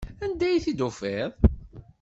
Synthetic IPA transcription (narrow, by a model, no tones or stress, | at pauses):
ænd̪æjθid̪ufeðˤ